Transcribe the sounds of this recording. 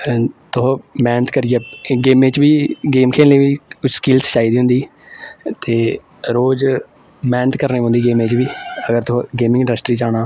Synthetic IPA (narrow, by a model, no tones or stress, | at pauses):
t̪ʊɦmɛːnət̪kəɾɪjeːɡeːmeːt͡ʃʋiːɡeːmkʰeːlleːʋiːkʊt͡ʃʰskɪlst͡ʃaːiːd̪iːɦʊ̃nd̪iː | t̪eː | ɾoːd͡ʒ | mɛːnət̪kəɾneːɦõnd̪iːɡeːmeːt͡ʃʋiːəɡəɾt̪ʊ̃ɡeːmɪ̃ŋɪ̃ɳɖəsʈɾiːt͡ʃaːnaː